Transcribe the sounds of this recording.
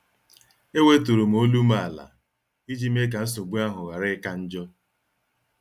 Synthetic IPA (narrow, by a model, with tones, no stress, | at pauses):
e˦we˦tu˨ɾu˨m̩˨o˦lu˦ma˦˨la̰˨ | i˦d͡ʒi˦m˦e˦k̬a˨n̩˦s̬o˨ɡ͡bu˦a˦ɦʊ˨ɣa˨ɾɪ˦ka˦n̩˦d͡ʒɔ˦